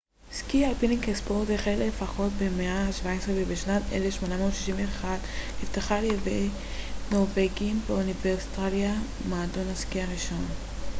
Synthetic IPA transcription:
skiapinikespoʁteχelefaχo̞tbemeaʃvaesʁevebeʃnatḛlefʃmo̞namotʃiʃimveːχadhiftaχalejevej | no̞ʁveɡimbeuniveʁsi̥t̪alia | maːdo̞naskiaʁiʃo̞n

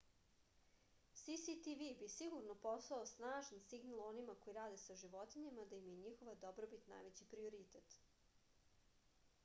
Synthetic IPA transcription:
sisit̪iʋibisiɡuɾnopo̞saosnaːʒansiɡnalˠo̞nimako̞jiɾaːd̪e̞saʒiʋo̞t̪iɲemad̪aimjeɲixo̞ʋad̪obɾobit̪na̰jʋet͡ɕipɾio̞ɾit̪et̪

